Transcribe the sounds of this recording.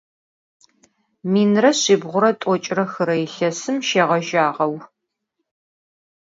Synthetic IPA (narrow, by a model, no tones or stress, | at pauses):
miːnrɐɕɪːbʁʷʊɾɐtʷʼɔt͡ʃʼrɐxɨɾɐjɪɬɐsɨmʃeːʁɐʒaːʁɐw